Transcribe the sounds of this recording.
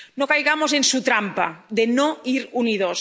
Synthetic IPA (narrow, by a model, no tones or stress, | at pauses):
nokajɣamozensut̪ɾampa̰ðenoiɾunið̞os